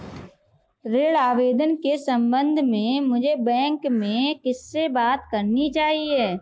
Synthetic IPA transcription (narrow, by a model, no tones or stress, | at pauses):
ɾeːɽaːʋeːd̪ənkesə̃mbə̃nd̪ʱmẽmʊd͡ʒʱebɛ̃ːŋkmẽkɪsːebaːt̪kɐɾnit͡ʃaːɦieː